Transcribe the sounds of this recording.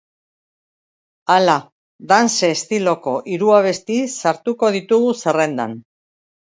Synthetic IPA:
ala | ðanse̞ːst̪ilo̞ko̞ʔiɾuaβ̞e̞st̪isaɾt̪uko̞ð̞it̪uɣuse̞re̞nd̪a̰n

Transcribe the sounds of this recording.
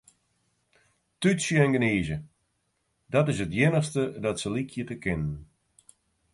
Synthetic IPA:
tytsjəɛnɡəneːzə | dɔtɪsətjɪnəχstədɔtsəlikʰjətəkɪnən

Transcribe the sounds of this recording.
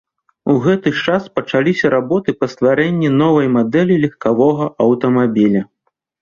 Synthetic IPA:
uɣɛt̪ɨt͡ʂaspɐt͡ʂalʲisʲɐɾabɔt̪ɨpɐst̪vaɾɛnʲːin̪ɔvɐjmad̪ɛlʲilʲɛxkavɔɣɐʔɐwt̪ɐmabʲilʲɐ

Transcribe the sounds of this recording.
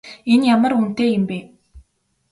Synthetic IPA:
enjamə̆run̥t̪eːjɪmpeː

